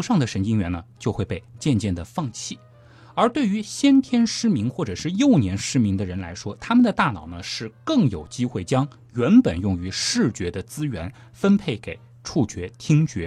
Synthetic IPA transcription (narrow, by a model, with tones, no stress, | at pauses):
ʂɑ˥˩ŋd̪ə˩ʂə˧˥nt͡ɕi˥ŋɥɛ̰˧˥nnə˧t͡ɕjo˥˧ʊxwe˥˧ɪpe˥˩ɪt͡ɕjɛ˥˧nt͡ɕjɛ˥˩nd̪ə˩fɑ˥˧ŋt͡ɕʰi˥˩ | ə˞˧˥t̪we˥˩ɪy˧˥ɕjɛ˥nt̪ʰjɛ˥nʂɻ̩˥mi˧˥ŋxwɔ˥˩ʈ͡ʂɤ˨˩ʂɻ̩˥˧jo˥˩ʊnjɛ˧˥nʂɻ̩˥mi˧˥ŋd̪ə˨ɻə˧˥nla˧˥ɪʂwɔ˥t̪ʰa˥mə˨nd̪ə˩t̪a˥˩nɑ̰˨˩ʊnə˦ʂɻ̩˥˧kɤ˥˩ŋjo˨˩ʊt͡ɕi˥xwe˥˩ɪt͡ɕjɑ˥ŋ | ɥɛ˧˥npə˨˩njʊ˥˩ŋy˧˥ʂɻ̩˥˩t͡ɕɥɛ˧˥d̪ə˧t͡sɹ̩˥ɥɛ˧˥n | fə˥npʰe˥˩ɪke˨˩ɪ | ʈ͡ʂʰu˥˩t͡ɕɥɛ˧˥t̪ʰi˥ŋt͡ɕɥɛ˧˥